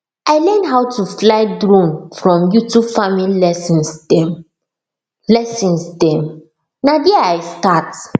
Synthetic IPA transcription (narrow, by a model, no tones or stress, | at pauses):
aɪlɛ̃ndɦawtuflaɪdɹõnfɹɔ̃mjutubfamilɛsĩnsdɛm | lɛsɔ̃nsdɛ̃m | nadiaaɪstat